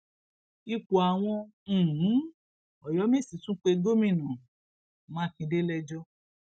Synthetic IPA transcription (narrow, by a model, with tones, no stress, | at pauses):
i˧k͡pu˨a˨w̃ɔ̃˧˨˦ | ɔ˨jɔ˨˦me˦˨si˨˦tũ˦k͡pe˧ɡo˦mĩ˦˨nã˨ | mãː˦kĩ˧de˦lɛ˧d͡ʒɔ˦